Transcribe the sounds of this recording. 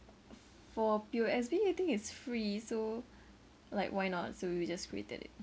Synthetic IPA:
fɔpuɛs̬biat̪ɪ̃ŋkɪtsfɹiso | laɪkwaɪnɔt̚sojid͡ʒaskʰɹḭḛtə̰dɪ̰t̚

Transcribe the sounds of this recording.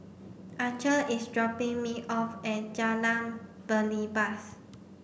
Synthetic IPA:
ʔat͡ʃəisdɹɔpĩŋmiʔɔfɛ̃d͡ʒalãŋb̥əlibas

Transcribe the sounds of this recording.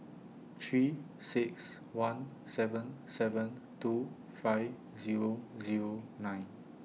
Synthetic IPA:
t̪ʰɹi | sɪks | wãn | sɛvə̃nsɛvə̃n | tu | fajv | ziɹoziɹonãj̃n

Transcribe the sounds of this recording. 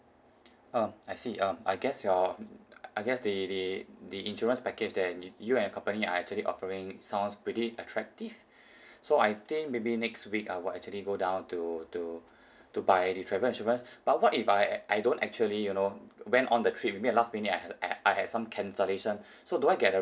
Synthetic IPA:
ãmaɪsiʔʌ̃ma̰ɪɡɛsjɔ | aɪɡɛsdididiĩnʃɔɹə̃nspɛked͡ʒdɛtjuɛ̃nəkɔ̃mpənia̰ɛk̚t͡ʃuəliʔɔ̰fəɹɪ̃ŋsãw̃nspɹitiʔətʰɹɛk̚tiv̥ | soajt̪ɪ̃ŋk̚mebinɛkstwika̰jwilɛk̚t͡ʃuəliɡodãʊ̃ntutu | tubaɪditʰɹɛvəlĩnʃɔɹə̃nsb̥at̚wɔtifajʔajdõntɛ̰k̚t͡ʃuəlijunowɛ̃ntɔ̃ndətʰɹit̚mebiɛlast̚minĩŋaaɪhɛdsãmkʰɛ̃nsəleʃə̃n | soduaɪɡɛt̚də

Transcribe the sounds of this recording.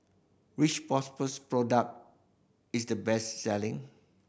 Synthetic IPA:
ɹit͡ʃpɔspəspɹɔdək̚t̚ | isdəbɛssɛlɪ̃ŋ

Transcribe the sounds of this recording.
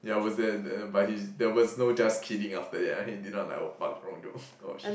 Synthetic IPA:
jawɔsdɛbat̚hidɛwɔsnod͡ʒaskʰidĩŋaftədɛtahidid̚ⁿnɔt̚la̰ba̰tɹɔ̃ŋdo̰ | o̰ʃ

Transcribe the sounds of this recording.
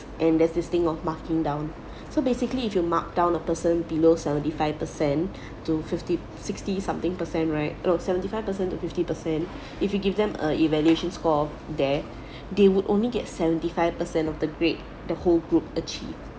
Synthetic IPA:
ʔɛ̃ndɛsdɪst̪ɪ̃ŋɔfmakkɪ̃ŋdãʊ̃n | sobesɪkəliːfjumak̚dãʊ̃nəpəsə̃nbilosɛvə̃ntifaɪv̥pəsɛ̃n | tufɪfti | sɪkstisãmt̪ɪ̃ŋpəsɛ̃nɹaɪt̚osɛvə̃ntifaɪvpəsɛ̃ntufɪftipəsɛ̃n | ifjuɡivdɛ̃mə̰ivɛljueʃə̃nskɔfdɛ | dewudʔõ̰nliɡɛt̚sɛvə̃ntifaɪv̥pəsɛ̃nɔfdəɡɹet̚ | dəholɡɹup̚ət͡ʃḭv

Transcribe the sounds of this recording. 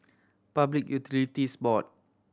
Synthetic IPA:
pablik̚jut̪ʰilit̪ispɔt̚

